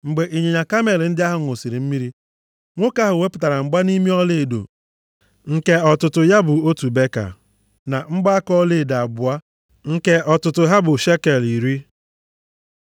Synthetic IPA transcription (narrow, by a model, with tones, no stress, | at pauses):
ŋ͡m̩˨ɡ͡be˨ʔi˨ɲe˨ɲa˨ka˦me˨ln̩˦dɪ˦a˦ɦʊ˨ŋ˨o˨si˨ɾi˨m̩˦mi˦ɾi˦ | ŋʷʊ˦ka˦ɦʊ˨we˦pʊ˨ta˨ɾa˨ŋ͡m̩˨ɡ͡ba˦ni˦mi˦ɔ˦le˦˨do̰˨ | ŋ̩˨ke˦ɔ˨tʊ˨tʊ˨ja˦bʊ˨o˦tu˨be˦ka̰˨ | na˨ŋ͡m̩˦ɡ͡ba˦kɔ˦le˦˨da˨bʊ˨a˦ | ŋ̩˦ke˦ʔɔ˨tʊ˨tʊ˨ɦa˦bʊ˨ʃe˦ke˨li˨ɾi˦